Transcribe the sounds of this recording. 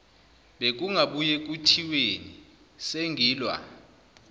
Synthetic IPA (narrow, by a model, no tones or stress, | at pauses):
ɓek̬uŋʱaɓujek̬ʼutʰiweni | seŋʱiːlwa̰